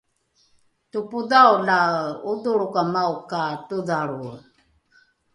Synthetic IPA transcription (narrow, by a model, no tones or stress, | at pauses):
tupuðawlauduɺukamaukatuðaɺu